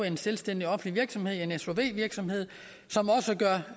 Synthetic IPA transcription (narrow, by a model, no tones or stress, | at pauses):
enselsd̥en̰d̥iɒ̽fn̩liʋiɐɡ̥sɒ̽mhe̝ð̞̰ˠe̝neso̝ʋe̝̰ːʋiɐɡ̥sɒ̽mhe̝ð̰ˠ | sɒ̽mɒ̽səɡ̥ɶɐ